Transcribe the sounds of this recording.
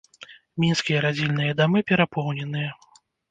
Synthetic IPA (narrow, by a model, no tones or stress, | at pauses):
mʲinskʲijɐɾad͡zʲilʲnɨjɐd̪amɨpʲɛɾapɔwnʲɛnɨjɐ